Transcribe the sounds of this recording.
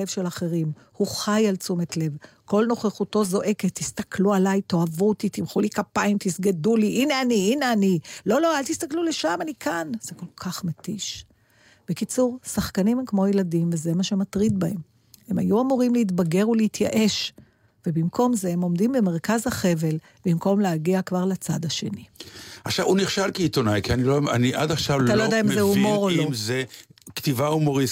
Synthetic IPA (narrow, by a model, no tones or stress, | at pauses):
evʃe̞laχeʁim | huχajalt͡sumet̪le̞v | ko̞lno̞χeχut̪o̞zo̞ʔe̞ket̪ːist̪ɐklualajt̪o̞avut̪it̪imχulikapaimt̪isɡeduliʔineaniineanilo̞lo̞alt̪ist̪akluleʃamanikʰanz̥eko̞lkʰaχmet̪iʃ | b̥ekit͡suʁsaχkanimhemkmo̞jeladimveze̞maʃe̞mat̪ʁid̪̚bahe̞m | hemajuamuʁimleitbaɡe̞ʁuleit̪jaʔe̞ʃ | vebimkʰo̞mzeemo̞mdimbemeʁkazhaχe̞ve̞l | bimko̞mleaɡiakvaʁlat͡sad̪aʃe̞̰niaχʃavuniχʃalkiit̪o̞najkianiloaniʔad̪aχʃavalt̪alojdeaimzeumo̞ʁolomzekt̪ivaumoʁis